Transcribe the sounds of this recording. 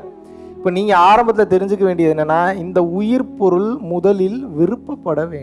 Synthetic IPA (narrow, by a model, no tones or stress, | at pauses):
ɪpːoːniːŋɡɐaːɾɐmbɐt̪̬ːɪlɐt̪ɛɾɪɲd͡ʒɯk̬ːɐʋeːɳɖɪjɐðɪnːɐnːaːɪnd̪ɐʊjɪɾpɔɾɯlmʊðɐlɪlʋɪɾɯpːɐpːɐɽɐʋeːɳɖ